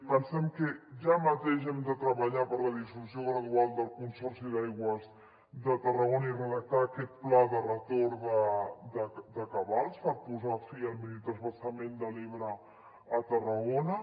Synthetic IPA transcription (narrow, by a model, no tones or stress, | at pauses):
pənsɛmkəʒamət̪eʃ̬ɛmd̪ət̪ɾəβəʎapəɾləðisuusioɣɾəðualˠd̪əlˠkunsɔrsiðajɣwəz | d̪ət̪ərəɣonəirəðək̚t̪aːkɛt̪̚plaðərət̪oɾðəd̪əd̪əkəβalˠspəɾpuzafiəlˠmilit̪ɾəzβəsəmend̪əliβɾəː | t̪ərəɣonə